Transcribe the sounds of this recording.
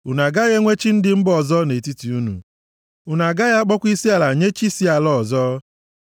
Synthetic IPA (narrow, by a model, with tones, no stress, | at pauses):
u˨na˨ɡa˦ɣe˦ŋʷe˦t͡ʃi˦n̩˦dɪ˦m̩˦bɔ˨zɔ˦ne˨ti˦ti˨u˦nṵ˨ | u˨na˨ɡa˦ɣa˦a˦k͡pɔ˦kʷi˦si˦a˨la˨ɲe˦t͡ʃi˦si˦a˨lɔ˦˨zɔ˦